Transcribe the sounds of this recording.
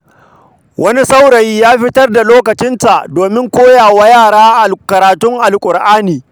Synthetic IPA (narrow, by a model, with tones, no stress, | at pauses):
wʔɐ˦ni˦sa˦wɽɐ˨jiː˦jaː˦ɸɪ˦tɐ˦rda˨loː˦kɐ˨t͡ʃɪ˦nta˨ʔdoː˨mɪ˦ŋkʷoː˦jaː˨wa˦jaː˦˨ɽaː˦ʔa˨kɐ˨ɾaː˨tʊ˦ŋʔa˨lkʷʼʊ˨ɾʔaː˦niː˨